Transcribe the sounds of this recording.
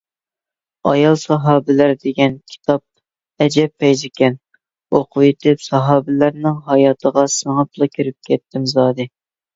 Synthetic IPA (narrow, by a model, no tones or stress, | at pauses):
ɑ̰jɑlˠsɑɦɑːbɪlæɾd̪eɡʲɛnkʲʰi̥t̪ʰɑp̚ | ɛd͡ʒɛpːɛjzɪkʲʰɛn | oqʰʊet̪ʰɪpsɑɦɑːbɪlæɾnɪŋɦɑjɑːt̪ʰəʁɑsəŋɑplˠɑkʲʰyɾp̚kʲʰɛt̪ʰːɪmzɑːd̪ɨ